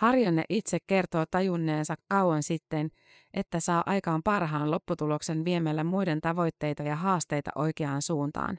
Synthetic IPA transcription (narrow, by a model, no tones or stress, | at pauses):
hɑrjɑnːḛʔit̪sekkːe̞rt̪o̞ːt̪ɑjunːe̞ːnsɑkːɑwwɑnsit̪ːen | ʔe̞t̪ːæsɑːʔɑjkɑːmpɑrɦɑːnlo̞pːut̪ulo̞kse̞nʋie̞mælːæmujde̞nt̪ɑʋo̞jt̪ːe̞jt̪ɑjɑɦɑːst̪e̞jt̪ɑ̰ʔo̞jk̟eɑːnsuːnt̪ɑ̰ːn